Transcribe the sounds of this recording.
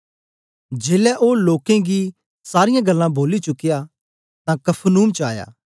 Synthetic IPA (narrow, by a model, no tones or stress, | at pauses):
d͡ʒeːlɛʔoːloːkẽɡi | saːɾɪjãɡɐlːãbʱoːlit͡ʃʊkɪja | t̪ãkɐpʰnuːmt͡ʃəaːja̰ː